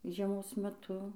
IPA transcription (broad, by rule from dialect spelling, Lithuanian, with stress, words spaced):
ʒʲiɛˈmoːs mʲɛˈtʊ